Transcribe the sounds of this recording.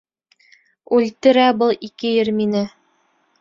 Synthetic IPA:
ʉlʲt̪ɘ̆ɾæbɤlˠikɘjɘɾminɘ

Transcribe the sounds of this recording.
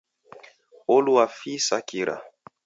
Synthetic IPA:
oluafisakiɾʔa̰

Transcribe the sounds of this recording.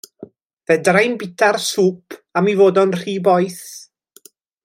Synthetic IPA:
vɛdrajnbɪtʰarsuːpʰamivoːdɔnr̥iːbɔjθ

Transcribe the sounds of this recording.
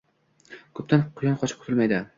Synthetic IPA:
kʰɵp̚t̪anqʰʊjɒnqʰɒt͡ʃʰɪp̚kʰʊt̪ɪlmajd̪ɪ

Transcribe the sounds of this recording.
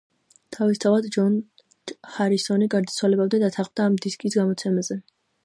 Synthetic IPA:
t̪ʰavist̪ʰavad̪d͡ʒɔn | χaɾisɔniɡaɾd̪at̪sʰwalɛbabd̪ɛd̪at̪ʰaχmd̪aːmd̪iskʼisɡamɔt̪sʰɛmazɛ

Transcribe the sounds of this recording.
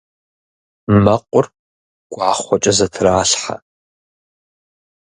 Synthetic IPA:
mɐqʷʼʊr | ɡʷʼʕaχʷɔt͡ʃʼɐzɐtʰraːɬħa̰

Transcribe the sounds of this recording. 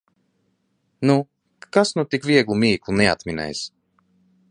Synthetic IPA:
nu | kasnut̪ikvʲiɛɡlˠumʲiːklˠunɛa̰t̪mʲinɛ̰js

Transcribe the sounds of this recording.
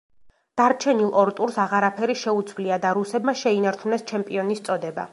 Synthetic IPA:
d̪̥aɾt͡ʃʰɛnilˠɔɾt̪ʼuɾsaʁaɾapʰɛɾiʃɛut̪sʰvliad̪aɾusɛbmaʃɛinaɾt͡ʃʰunɛst͡ʃʰɛmpʼiɔnist̪sʼɔd̪ɛba̰

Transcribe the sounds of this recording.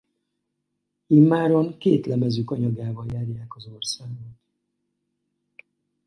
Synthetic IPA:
imːaːɾoŋkeːt̪lɛmɛzykɒɲɒɡaːvɒjaːrjaːkɒzo̞rsaːɡot̪

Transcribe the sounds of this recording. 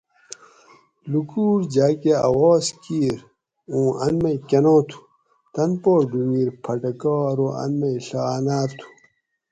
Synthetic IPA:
lukuːɾd͡ʑaːkeɐ̰woːskiːɾ | ũːʔɐ̰nmekenõːt̪ʰu̥ | t̪ɐnpoːɖumiːɾpʰɐʈɐkoːɾoɐ̰nmeɬaːnaːɾt̪ʰu̥

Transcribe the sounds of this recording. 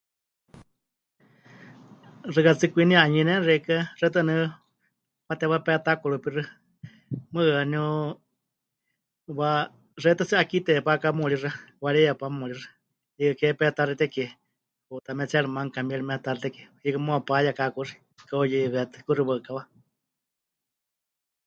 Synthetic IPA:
rɨkat͡sɨkʷiniaɲinɛnrɛkarɛt̪̬ɨnɨ | pat̪ɛwapɛt̪akoɺupirɨ | mɨaniu | wa | rɛt̪at͡sɨʔakit̪ɛpakamuɺirawaɺɛjapamuɺira | jikakɛpɛt̪aɾit̪ɛkɛ | ut̪amɛt͡sɛɺɨmaŋkamɛɺimɛt̪arit̪ɛkijikamuapajakakuri̥ | kaojiβɛt̪ɨ̥kuriwaɨkawa

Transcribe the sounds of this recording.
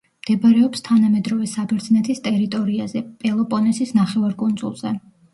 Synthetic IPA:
md̪̥ɛbaɾɛɔpst̪ʰanamɛd̪ɾɔvɛsabɛɾd̪znɛt̪ʰist̪ʼɛɾit̪ʼɔɾiazɛpʼɛlˠɔpʼɔnɛsisnaχɛvaɾkʼund̪zṵlˠz̥ɛ

